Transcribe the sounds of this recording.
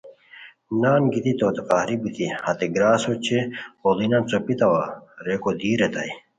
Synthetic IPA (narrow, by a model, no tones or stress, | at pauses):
naːnɡit̪it̪oːt̪eqaːɾibit̪ihɐt̪eɡɾaːsot͡ɕʰeolinɐnt͡sopit̪ɐwaɾekod̪iːɾet̪ɐ̰j